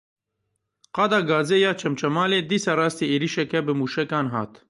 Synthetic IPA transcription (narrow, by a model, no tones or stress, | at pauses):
qɑːd̪ɑːɡɑːzeːjɑːt͡ʃʰɛmt͡ʃʰɛmaːleːd̪iːsɑːɾɑːst̪ieːɾiːʃɛkɛbɨmuːʃɛkɑːnɦɑ̰ːt̪